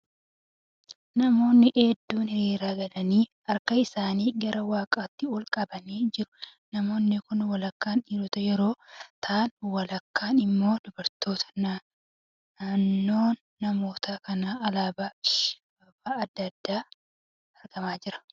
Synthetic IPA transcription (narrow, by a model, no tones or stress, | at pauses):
nɐmo̞ːnːɪʔeːd̪ːuːnhɪɾiːɾaːɡɐlɐniː | ɐɾkɐɪsaːniːɡɐɾʔɐwaːkʼaːt̪ːɪɔlkʼɐbɐniːd͡ʒɪɾʊ̥nɐmo̞ːnːɪkʊnwɐlɐkːaːnᶑiːdɔt̪ɐjɛɾo̞ːt̪ʰaːnwɐlɐkʰːaːnɪmːo̞ːd̪ʊbɐɾt̪o̞ːt̪ʰɐ̥nɐ | ɐnːo̞ːnːɐmo̞ːt̪akɐnaːɐlaːbaːɪʃ | ɐbaːɐd̪ːɐd̪ːaː | ɐɾɡɐmaːd͡ʒɪɾɐ̥